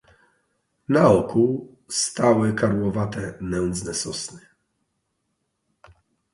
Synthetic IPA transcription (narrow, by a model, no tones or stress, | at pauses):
naɔku | st̪awɘkaɾwɔvat̪ɛnɛnd̪znɛsɔsnɘ